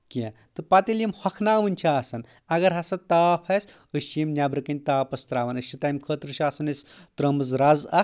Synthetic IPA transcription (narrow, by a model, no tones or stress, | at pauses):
kẽ | t̪ɨpɐt̪ilʲjimhɐkʰnaːʋɨnʲt͡ʃʰiaːsɐn | ɐɡɐɾɦɐsɐt̪aːpʰɐs | ɨʃimnʲabɾɨkɐnʲt̪aːpɐst̪ɾaːʋɐnɐʃt͡ʃʰːit̪ɐjmkʰəːt̪ɾɨt͡ʃʰiɐːsɐnɐsʲt̪ɾɐmɐzɾɐzɐ